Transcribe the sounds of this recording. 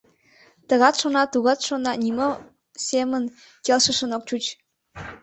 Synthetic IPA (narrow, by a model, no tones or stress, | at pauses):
t̪ə̆ɣɑt̪ʃonɑt̪uɣɑt̪ʃonɑnʲimo | sʲemən | kʲelʃə̆ʃə̆nok̚t͡ɕut͡ɕ